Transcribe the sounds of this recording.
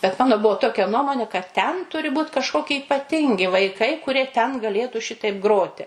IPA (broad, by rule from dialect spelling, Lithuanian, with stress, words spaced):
bʲɛt ˈmɑːnoː ˈbuɔ ˈtoːkʲɛ ˈnuɔmoːnʲeː kɐt tʲɛn ˈtʊrʲɪ ˈbuːt kɐʃˈkoːkʲɪ ɪpɐˈtʲɪŋʲɡʲɪ ʋɐɪˈkɐɪ kʊˈrʲiɛ tʲɛn ɡɐˈlʲeːtuː ˈʃʲɪtɐɪp ˈɡroːtʲɪ